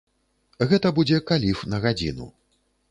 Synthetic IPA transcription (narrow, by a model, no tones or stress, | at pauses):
ɣɛt̪ɐbud͡zʲɛkalʲifnɐɣad͡zʲḭnṵ